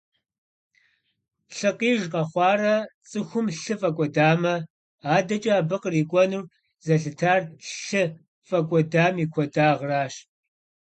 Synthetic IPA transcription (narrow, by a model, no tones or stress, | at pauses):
ɬɨqiːʒqɐχʷɑːrɐt͡sʼɨxʷʊmɬɨfʼɐkʷʼɔdaːmɐ | aːdɐt͡ʃʼɐaːbɨqəriːkʷʼɔnur | zɐɬɨtʰaːrɬɨ | fʼɐkʷʼɔdaːmiːkʷʰɔdaːʁraːɕ